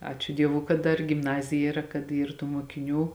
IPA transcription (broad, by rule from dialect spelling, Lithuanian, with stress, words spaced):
ˈɑːt͡ʃʲʊ ˈdʲiɛʋuː kɐt ˈdɐr ɡʲɪmˈnɑːzʲɪjɛ iːˈrɐ kɐt ˈiːr tuː muɔkʲɪˈnʲuː